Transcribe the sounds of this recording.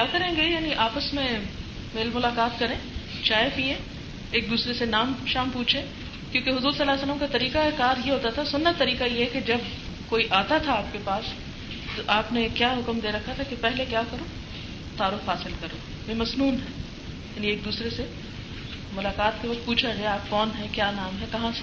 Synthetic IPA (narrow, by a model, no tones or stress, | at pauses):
kaːkɐɾẽːɡejaːniʔaːpəsmẽ | meːlmʊlaːkaːt̪kɐɾẽː | t͡ʃaːefiẽː | eːk̚d̪uːsɾesenaːmʃaːmpuːt͡ʃʰẽː | kjõːkeɦʊzuːɾsɐlːaːsələmkat̪ɐɾiːkaekaːɾjeɦoːt̪at̪ʰasʊnːət̪ɐɾiːkajeɦɛked͡ʒɐb | koːiʔaːt̪at̪ʰaaːp̚kepaːs | t̪oʔaːpnekjaːɦʊkmd̪eːɾɐkʰːat̪ʰakepɛɦlekjaːkɐɾoː | t̪aːɾʊfɦaːsɪlkɐɾoː | mẽmɐsnuːnɦɛː | jaːnieːk̚d̪uːsɾese | mʊlaːkaːt̪keʋɐk̚t̪̚puːt͡ʃʰad͡ʒaːeaːp̚kɔːnɦɛkjaːnaːmɦɛkɐɦãse̥